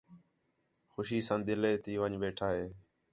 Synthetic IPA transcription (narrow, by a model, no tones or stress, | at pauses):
xʊʃiːsãːd̪ɪleːt̪iːʋəɲʋeːʈʰaːɦeː